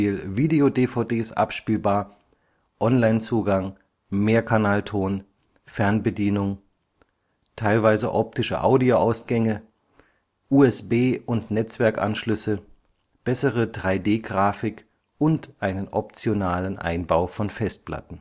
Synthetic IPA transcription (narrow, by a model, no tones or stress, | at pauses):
ilviːdeodeːfaʊdeːsʔa̰pʃpiːlbaːɐ | ʔɔnlaɪnt͡suːɡaŋ | meːɐkʰanaːltʰoːn | fɛɐnbədiːnʊŋ | tʰaɪlvaɪzə̰ʔɔp̚tɪʃə̰ʔaʊdioʔaʊsɡ̥ɛŋə | ʔuːɛsb̥eːʔʊntnɛt͡sv̥ɛɐkʔa̰nʃlʏsə | b̥ɛsəʁədʁaɪdeːɡʁaːfɪk | ʔʊntʔaɪnənʔɔp̚t͡sjonaːlənʔa̰ɪnbaʊfɔnfɛst̚pla̰tn̩